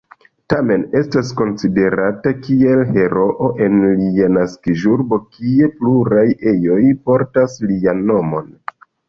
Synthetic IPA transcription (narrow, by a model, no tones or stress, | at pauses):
tame̞ne̞stasko̞nside̞ɾatakie̞lhe̞ɾo̞ʔoʔe̞nlianaskiʒuɾbo̞kie̞pluɾaje̞jo̞jpo̞ɾtaslianːo̞mo̞̰n